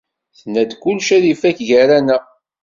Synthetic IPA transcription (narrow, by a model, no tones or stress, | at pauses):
θnæd̪kʊlːʃæðifæçʝæɾænə